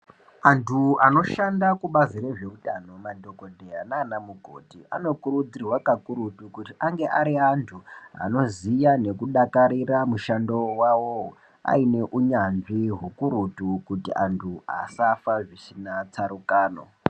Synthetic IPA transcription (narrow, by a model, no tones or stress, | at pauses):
antʰuano̞ʃandakuɓazireʐeutano̞madʱo̞ko̞dʱeanaːnamuɡʱo̰tia̰no̞kuɾud͡zirwakakuɾutukutiʔaŋɡe̞ʔaɾiantʰua̰no̞zijane̞kuɗakaɾiramuʃandowawo | a̰ine̞ʔuɲanʐiɦukuɾutukutiʔantʰua̰safaʐisinat͡saɾukaːno̰